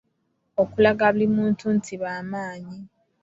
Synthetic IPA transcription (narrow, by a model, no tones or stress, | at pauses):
okulaɡaβulimuːntʰuntʰiβaːmaːɲi